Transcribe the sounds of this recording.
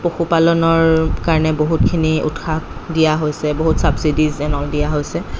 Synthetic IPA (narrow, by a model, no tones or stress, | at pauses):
poxupalɔnɔɹkaɹɔnɛboɦutkʰiniṵtxakdijaɦojsɛboɦutsabsidizɛnɔldijaɦojsɛ